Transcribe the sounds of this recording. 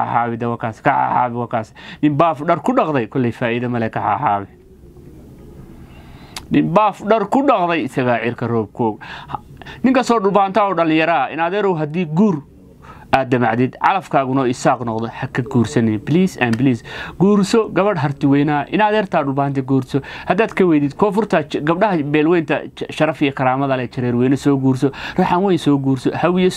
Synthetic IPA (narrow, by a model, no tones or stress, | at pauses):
a̰ːħaːβɪd̪ɐwɐkʰaːskʰɐħa̰ːħa̰ːβɪwɑːkʰaːsnɪmbaːfɖɐrkʰʊɖɑqd̪ɐjkʰɔlːɛjfaːɪðɐmɐlɛkʰɐħa̰ːħaːβɪ | nɪmbaːfɖɐrkʰʊɖɑqd̪ɐjɪsɐɣaʕɪrkʰɐrɔːb̚kʰɔːɡ | nɪŋkɐst̪ɔːɖʊbant̪ʰaːɔɖɐlɪ̃jɐɾɐɪnaːðɛɾɔwɦɐd̪iːɡuːr | ʔaːd̪̚ːɐmaʕd̪ɪd̪ʕɑ̰lɐfkʰaːɣʊnɔɪsaːqnɔqd̪ɔħɐkʰɐɡuːrsɐnɛbɪliːsɐ̰nbɪliːsɡuːɾsɔɡɐβɐɽɦɐrt̪ʰɪwɛjnɐʔɪnaːðɛːrt̪ʰaːɖʊlbaːnt̪ʰɛɡuːɾsɔhɐd̪aːd̪kʰɐwɛjd̪ɪd̪̚kʰɔːfʊrt̪ʰɐɡɐb̚ɖɐɦɐbɛːlwɛjnt̪ʰɐ̰ʃɐɾɐfijɐkʰɐɾaːmɐðɐlɛt͡ʃɐɾɛːɾwɛjnɐsɔːɡuːrsɔrɐħɑnwɛjsɔːɡuːɾsɔ̰hɐwɪjɛs